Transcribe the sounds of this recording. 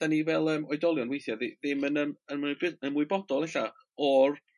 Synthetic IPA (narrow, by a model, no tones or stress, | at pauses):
d̥anivɛlˠəːmɔɨdɔlˠjɔnwejθjaðɪðɪmənəmənɡɪənmuʊɨbɔdɔlˠɛɬa | ɔr